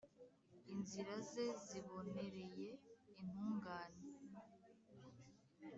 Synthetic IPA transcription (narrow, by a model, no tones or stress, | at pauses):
inziɾaze̞ziβo̞ne̞ɾe̞je̞in̥huːŋɡaːne